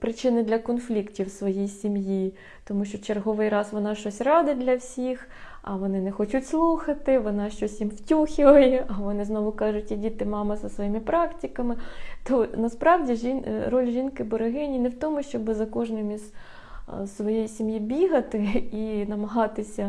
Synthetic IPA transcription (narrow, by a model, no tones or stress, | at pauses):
pɾɪt͡ʃɪnɪd̪lʲɐkɔnflʲiktʲiwsʋɔjijsʲimji | t̪ɔmuʃt͡ʃɔt͡ʃerɦɔʋɪjrɑsʋɔnɑʃt͡ʃɔsʲrɑd̪ɪt̚ʲdlʲɐwsʲix | ɐ̰ʋɔnɪnɛxɔt͡ʃʊtʲslˠuxɐt̪ɪʋɔnɑʃt͡ʃɔsʲjimwtʲuxʲɪʋɐjɛʔɐʋɔnɪznɔʋʊkɑʒʊtʲidʲit̪ɪmɑmɪzɐsʋɔjimɪpɾɑktʲikɐmɪt̪ɔnɐspɾɑwdʲiʒinrɔlʲʒʲinkɪbɔɾɪɦɪnʲinɛwt̪ɔmʊʃt͡ʃɔbɪzɐkɔʒnɪmʲiz | sʋɔjejisʲimjibʲiɦɐt̪ɪinɐmɐɦɑt̪ɪsʲɐ